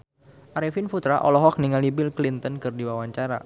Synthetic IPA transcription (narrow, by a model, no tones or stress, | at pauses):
ʔaɾifinfut̪ɾaʔɔ̰lɔɦɔk̚niŋalibɪlklint̪ɔnkɨrdiwawaɲt͡ʃaɾa̰